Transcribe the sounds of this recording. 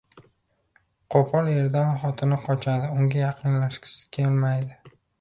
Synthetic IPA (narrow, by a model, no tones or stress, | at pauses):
qʰopʰɒle̞ɾd̪anχɒt̪ʰɪnɪqʰɒt͡ʃʰad̪ɪʊŋɡʲajɑqʰɨnlaʃkʲʰɪ̥sɪ̥kʲʰelmajd̪ɪ